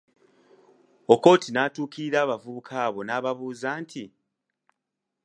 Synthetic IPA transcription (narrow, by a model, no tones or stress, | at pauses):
o̞ko̞ːtinaːtuːkiɾiɾaːβavuβukʰaːβo̞naːβaβuːzaːntʰi